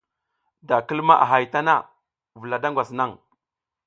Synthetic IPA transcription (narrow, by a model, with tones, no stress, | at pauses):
da˨kə˦lma˦ʔa̰˨ɦa˨jta˦na˦ | və˨la˨da˦ŋɡʷa˨sna˦ŋ